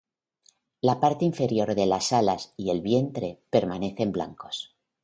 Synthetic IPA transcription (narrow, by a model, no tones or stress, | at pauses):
lapaɾt̪eiɱfe̞ɾjo̞ɾðe̞lasalasie̞lβje̞nt̪ɾe̞pe̞ɾmane̞θe̞mbla̰ŋko̞̥s